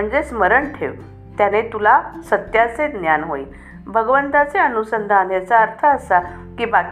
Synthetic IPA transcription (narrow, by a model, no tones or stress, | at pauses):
məɳd͡zesməɾəɳʈʰeʋ | t̪janet̪ulasət̪jat͡sed̪njanɦoi | bʱəɡʋənt̪at͡seənusənd̪ʱanjat͡saəɾt̪ʰəəsa | kiːbak